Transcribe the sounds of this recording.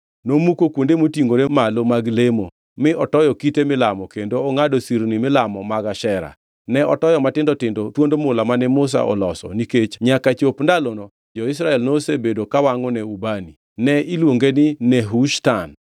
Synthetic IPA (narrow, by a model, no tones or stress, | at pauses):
nomukokwondemotiŋɡoɾemalomaɡlemo | mɪʔɔtɔjɔkitemɪlamɔkendoːŋadosiɾnimɪlamɔmaɡaʃɛɾa̰ | nɛɔtɔjɔmatɪndɔtɪndotwondomʊlamanɛmʊs̬a̰ʔɔ̰lɔsɔ̰niket͡ʃɲakat͡ʃopndalonɔ | d͡ʒɔɪs̬ɾaɛlnosebedokawaŋɔnɛubani | nɛilwoŋɡenɪnɛɦuʃtan